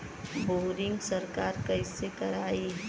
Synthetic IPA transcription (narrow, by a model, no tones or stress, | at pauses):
boːɾɪ̃ŋɡsəɾkaːɾkɐɪsekɐɾaːi